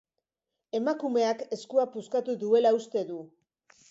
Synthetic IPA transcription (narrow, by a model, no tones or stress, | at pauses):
e̞makume̞ake̞skuapuskat̪uðue̞laust̪e̞ðu